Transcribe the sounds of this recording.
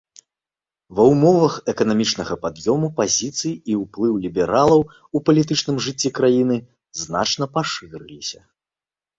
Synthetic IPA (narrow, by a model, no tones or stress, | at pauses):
vɐwmɔvɐxɛkɐnamʲit͡ʂnɐɣɐpad̪jɔmupazʲit̪sɨjiiuplˠɨwlʲibʲɛɾalˠɐw | upɐlʲit̪ɨt͡ʂn̪ɨmʐɨt͡sʲːɛkɾajinɨ | zna̰t͡ʂn̪ɐpaʂɨɾɨlʲisʲɐ̰